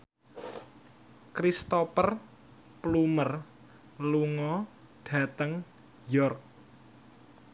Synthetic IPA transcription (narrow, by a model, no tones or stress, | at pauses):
kɾist̪ɔpər | plumər | luŋɔ | ɖ̥ä̤t̪əŋ | jɔrk̚